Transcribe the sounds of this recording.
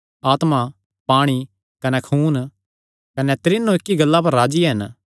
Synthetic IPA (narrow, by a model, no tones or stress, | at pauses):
aːt̪ma | paːɽ̃i | kɐnɛkʰuːn | kɐnɛt̪ɾɪnːõɪkːiɡɐlːap̬ɐɾːaːd͡ʒiɦɐn